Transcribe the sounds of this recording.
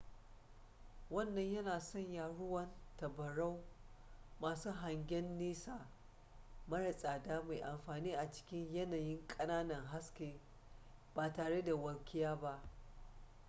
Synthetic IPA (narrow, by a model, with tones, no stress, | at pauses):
wɐ˦˨nːɐ˦ɲjɐ˦naː˨sɔ˦˨ɲjaː˨ɽʊ˦wɐ˦ntɐ˨bɐ˨ɽa˦w | maː˨suː˦ɦa˨ŋɡʲɛ˦nːiː˦saː˨ | mɐ˦ɽɐ˨sʼaː˨daː˦ma˨jʔa˨mɸaː˨niː˦ʔa˨t͡ʃɪ̥˦kʲɪ˦ɲjɐ˦naː˨jɪ˦ŋkʼɐ˦naː˦nɐ˨ŋɦa˦skʲeː˨ | baː˨taː˨ɽe˦da˨wɐ˨lkʲɪ˦jaː˦ba˦ʔ